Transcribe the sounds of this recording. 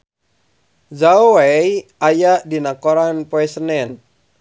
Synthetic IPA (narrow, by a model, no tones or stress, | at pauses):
zaowɛjʔajaʔdinakoɾanpoɛsənɛn